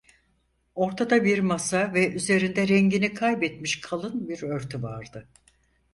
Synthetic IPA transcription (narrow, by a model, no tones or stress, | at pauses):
o̞ɾt̪ʰad̪abiɾmasavɛʔyze̞ɾind̪ɛɾɛɲɟinikʰajbɛt̪miʃkʰalˠɯnbiɾøɾt̪ʰyvaɾd̪ɯ